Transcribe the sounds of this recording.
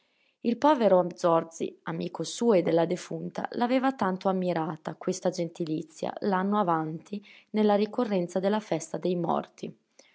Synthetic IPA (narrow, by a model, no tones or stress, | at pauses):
ilpɔːveɾoamd̪zɔrd̪zḭamiːkosuːed̪ːelːad̪efunt̪a̰laveːvat̪ant̪oamːiɾaːt̪akwest̪ad͡ʒent̪ilit̪sːja̰lanːoavant̪ʰinelːaɾikorːɛnt̪sad̪elːafɛst̪ad̪ejmɔ̰rt̪i